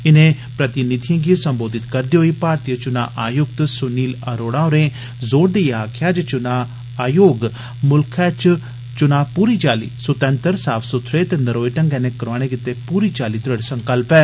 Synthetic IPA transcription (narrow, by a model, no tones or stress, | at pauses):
ɪnẽː | pɾət̪ɪnɪt̪ʰijãːɡisəmboːd̪ɪt̪kəɾd̪iːɦoiːpaːɾt̪ijət͡ʃʊna̰ːʔaːjʊk̚t̪sʊniːləɾoːɽãːoɾẽː | zoːɾd̪eiaːkʰɪjaːd͡ʒət͡ʃʊnaː | aːjoːɡ | mʊlkʰɛːt͡ʃ | t͡ʃʊnaːpuːɾiːt͡ʃaːlḭːsʊt̪ə̃nt̪əɾsaːpʰsʊt̪ʰːɾeːt̪eːnəɾoːiʈəŋɡɛ̃ːnẽːkəɾʋaːɽ̃eːkɪt̪ːeːpuːɾiːt͡ʃaːliːt̪ʊɾəɽsəŋkəlpɛː